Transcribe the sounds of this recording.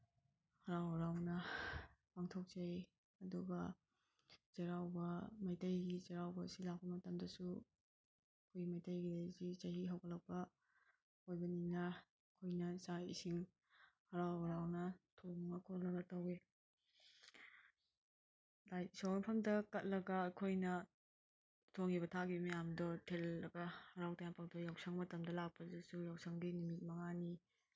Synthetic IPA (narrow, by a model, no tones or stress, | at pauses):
hɐɾawɐɾawnɐ | paŋtʰok̚zɐj | ɐduɡɐ | zeɾawbɐmajtɐjɡizeɾawbɐsilak̚pɐmɐtɐmdɐsu | kʰojɡimajtɐjɡilejzizɐɦiɦɐwɡɐlɐk̚pɐ | ojbɐninɐ | kʰojnɐsaḭsiŋ | hɐɾawhɐɾawnɐtʰoŋŋɐkʰolɐɡɐtɐwe | lajisownpʰɐmdɐkɐt̚lɐɡɐːkʰojnɐ | tʰoŋiβɐtʰaɡimɐjamdɔtʰelːɐɡɐhɐɾawtajapʰaktʰojawsɐŋmɐtɐmdɐlak̚pɐzisujawsɐŋdinumit̚mɐŋani